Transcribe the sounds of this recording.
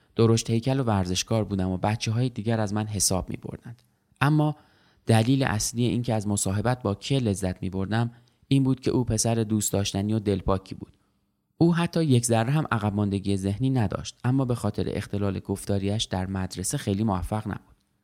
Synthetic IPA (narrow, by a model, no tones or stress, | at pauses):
d̪̥o̞ɾoʃt̪he̞jcʰælo̞væɾze̞ʃkɒːɾbuːd̪æmobæt̪t͡ʃʰeɦɒːjed̪iːɟæɾæzmænɦe̞sɒːb̥̚mḭːbo̰ɾd̪ænd̪̥ | ʔæmːɒː | d̪̥æliːleʔæslijeʔiːncʰeæzmosɒːɦe̞bæt̪̚bɒːcʰele̞zːæt̪ʰmḭːbo̞ɾd̪æm | iːnbuːd̪̚cʰe̞̰ʔuːpʰe̞sæɾed̪uːst̪ɒːʃt̪æniːod̪e̞lpʰɒːcʰiːbṵːd̪̥ | ʔuːɦæt̪ʰːɒːje̞cʰzæɾːeɦæmʔæɣæb̚mɒnd̪e̞ɟije̞ze̞hniːnæd̪ɒ̰ːʃt̪̚ʔæmːɒːbe̞xɒːt̪ʰe̞ɾḛʔext̪e̞lɒːle̞ɡo̞ft̪ɒːɾiæʃd̪̥æɾmæd̪ɾe̞se̞xe̞jliːmovæfːæɣnæ̰b̥u̥d̪̥